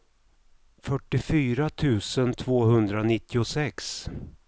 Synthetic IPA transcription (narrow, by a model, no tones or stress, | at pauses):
fœʈːɪfyːɾat̪ʰʉ̟ːsənt̪ʰv̥oːɦɵnd̪ɾanɪt̪ːɪʊsɛks